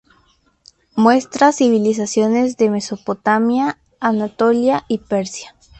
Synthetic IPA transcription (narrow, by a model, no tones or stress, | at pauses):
mwe̞st̪ɾasiβilis̬asjo̞ne̞zðe̞me̞so̞po̞t̪amjaː | nat̪o̞ljaipe̞ɾsjḁ